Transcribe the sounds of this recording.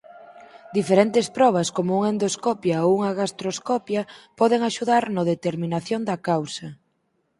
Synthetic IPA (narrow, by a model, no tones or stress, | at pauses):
d̪ifeɾent̪espɾɔβ̞ɐskomʊuŋaend̪oskɔpjaouŋɐɣast̪ɾoskɔpjɐpɔðeŋaʃuðaɾnoðet̪eɾmĩnaθjoŋd̪ɐkawsɐ